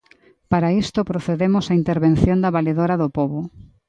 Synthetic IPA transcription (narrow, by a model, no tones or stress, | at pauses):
paɾaist̪opɾoθeðemʊsaint̪eɾβẽn̟θjond̪ɐβaleðoɾaðʊpoβʊ